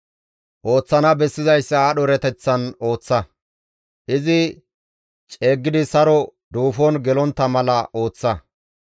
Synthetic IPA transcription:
ʔo̞ːt͡sːɐnɐbɛsːɪzɐjsːɐɗɔɾɛt̪ɛt͡sːɐno̞ːt͡sːɐ | ʔɪzɪ | t͡ʃʼe̞ːɡːɪd̪ɪsɐɾɔd̪uːfɔnɡɛlɔnt̪ːɐmɐlɐʔo̞ːt͡sːɐ

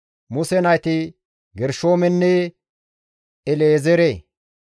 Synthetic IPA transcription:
mʊsɛnɐjt̪ɪ | ɡɛɾʃoːmɛnːɛ | ɛleːzɛɾe

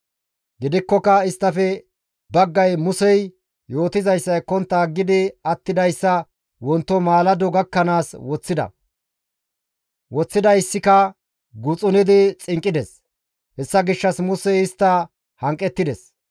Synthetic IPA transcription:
ɡɪd̪ɪkːɔkɐɪst̪ːɐfɛ | bɐɡːɐjmʊsɛj | jo̞ːt̪ɪzɐjsːɐjkɔnt̪ːaːɡːɪd̪ɪɐt̪ːɪd̪ɐjsːɐ | wɔnt̪ːɔmaːlɐd̪ɔɡɐkːɐnaːswɔt͡sːɪd̪ɐ̰ | wɔt͡sːɪd̪ɐjsːɪkɐ | ɡʊt͡sʼʊnɪd̪ɪt͡sʼɪŋkʼːɪd̪ɛs | hɛsːɐɡɪʃːɐsmʊsɛjɪst̪ːɐ | hɐŋkʼːɛt̪ːɪd̪ɛs

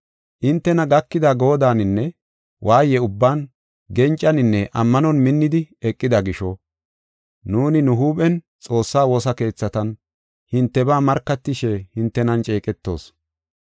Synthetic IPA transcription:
ʔɪnt̪ːɛnɐɡɐkːɪd̪aɡo̞ːd̪aːnɪnːɛ | wʔaːjɛʊbːaːn | ɡɛnt͡ʃʼːɐnɪnːɛʔɐmːɐnɔnmɪnːɪd̪ɪɛkʼːɪd̪ɐɡɪʃɔ | nuːnɪnʊɦuːpʼɛn | t͡sʼo̞ːsːaːwɔsɐke̞ːt͡sːɐt̪ɐn | hɪnt̪ːɛbaːmɐɾkːɐt̪ːɪʃɛhɪnt̪ːɛnɐnt͡ʃʼeːkʼɛt̪ːo̞̰ːs

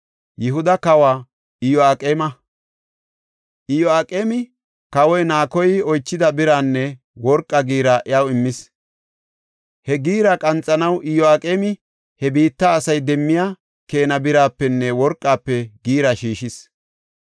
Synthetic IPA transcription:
jɪɦʊd̪ɐkɐwaː | ɪjɔaːkʼeːmɐ | ʔɪjɔaːkʼeːmɪ | kɐwɔjnaːkɔjɪɔjt͡ʃːɪd̪ɐbɪɾaːnːɛ | wɔɾkʼːɐɡiːɾɐʔɪjawɪmːɪs | hɛɡiːɾɐkʼɐnt͡sʼːɐnɐwʔɪjɔaːkʼeːmɪ | hɛbiːt̪ːaːsɐjd̪ɛmːɪja | ke̞ːnɐbɪɾaːpːɛnːɛwɔɾkʼːaːpːɛɡiːɾɐʃiːʃɪs

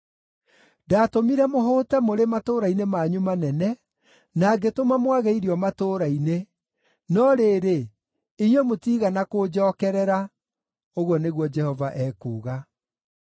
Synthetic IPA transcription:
daːtomiɾɛmoɦoːtɛmoɾematoːɾainemaɲumanɛnɛ | naɡetomamwaɣɛiɾiɔmatoːɾaine | nɔɾeːɾe | iɲwɛmotiːɣanakod͡ʒɔːkɛɾɛɾa | oɣwɔneɣwɔd͡ʒɛhɔvaʔɛːkuːɣa

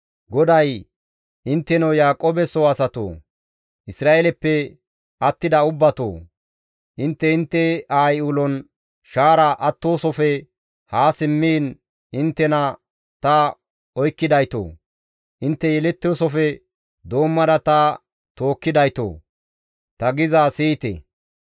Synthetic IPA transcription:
ɡɔd̪ɐj | ʔɪnt̪ːɛnowjaːkʼoːbɛsoɐsɐt̪o̰ː | ʔɪsɾaːʔelɛpːɛ | ɐt̪ːɪd̪ɐʊbːɐt̪o̰ː | ʔɪnt̪ːɛɪnt̪ːɛaːjuːlɔn | ʃaːɾɐʔɐt̪ːoːsɔfɛ | haːsɪmːiːn | ɪnt̪ːɛnɐ | t̪ɐ | ɔjkːɪd̪ɐjt̪o̰ː | ʔɪnt̪ːɛjɛlɛt̪ːoːsɔfɛ | d̪o̞ːmːɐd̪ɐt̪ɐ | t̪o̞ːkːɪd̪ɐjt̪o̰ː | t̪ɐɡɪzasiːt̪ɛ̰

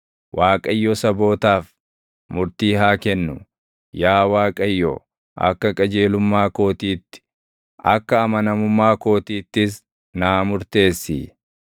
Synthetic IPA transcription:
wʔaːkʼɐjːɔsɐbo̞ːt̪aːf | mʊɾt̪iːɦaːkɛnːʊ | jaːwaːkʼɐjːɔ̰ | ʔɐ̰kːɐkʼɐd͡ʒe̞ːlʊmːaːko̞ːt̪iːt̪ːɪ̥ | ɐkːɐːmɐnɐmʊmːaːko̞ːt̪iːt̪ːɪs | naːmʊɾt̪e̞ːsːḭ

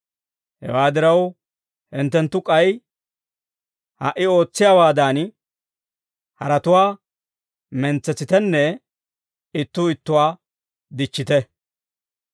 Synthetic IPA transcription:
hɛ̰waːd̪ɪɾɐw | hɪnt̪ːɛnt̪ːʊkʼɐj | ha̰ʔːɪo̞ːt͡sːɪjaːwaːd̪an | hɐɾɐt̪ʊwaː | mɛnt͡sːɛt͡sːɪt̪ɛnːɛ | ɪt̪ːʊɪt̪ːʊwaː | d̪ɪt͡ʃːɪt̪ɛ

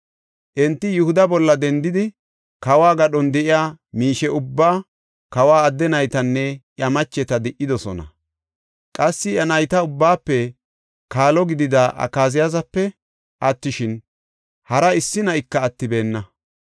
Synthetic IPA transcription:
ʔɛnt̪ːɪjʊhʊd̪ɐbɔlːɐd̪ɛnd̪ɪd̪ɪ | kɐwaːɡɐɗɔnd̪ɛʔɪjaːmiːʃɛʊbːaː | kɐwaːd̪ːɛnɐjt̪ɐnːɛʔjɐmɐt͡ʃːɛt̪ɐd̪ɪʔːɪd̪ɔsɔ̰nɐ̰ | kʼɐsːɪjɐnɐjt̪ɐʊbːaːpːɛ | kaːlɔɡɪd̪ɪd̪ɐʔɐ̰kːaːzɪjazɐpːɛ | ʔɐt̪ːɪʃɪn | hɐɾɐɪsːɪnɐjkːɐːt̪ːɪbe̞ːnːɐ

